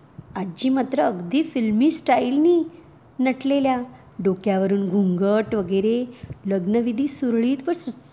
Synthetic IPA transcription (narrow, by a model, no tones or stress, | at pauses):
ad͡ʑiːmat̪ɾəːɡd̪iːfilmiːsʈailniː | nəʈʰlelja | ɖokjaʋəɾuːnɡʱuŋɡəʈʋəɡəɾeləɡnəʋid̪ʱiːsuɾɭiːt̪ʋəɾs